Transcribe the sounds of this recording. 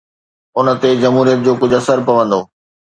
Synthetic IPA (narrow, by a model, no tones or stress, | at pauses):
ʊnə̆t̪ed͡ʑɐmɦuːɾijət̪̚d͡ʑoːkʊd͡ʑʱɐsəɾpɐʋə̃nd̪oː